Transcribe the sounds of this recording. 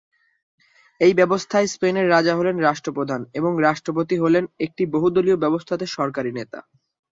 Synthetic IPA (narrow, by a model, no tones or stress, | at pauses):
ejbɛbost̪ʰaespeneɾːad͡ʑaɦolenɾaʃʈɾopɾod̪ʱaneboŋɾaʃʈɾop̬ot̪iɦolenek̚ʈiboɦud̪oliobɛbost̪ʰat̪eʃɔɾkaɾinet̪a̰